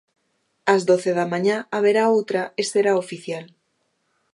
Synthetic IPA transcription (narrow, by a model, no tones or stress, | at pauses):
azðoθeð̞amãɲaaβeɾaowt̪ɾaest̪eɾaofiθjal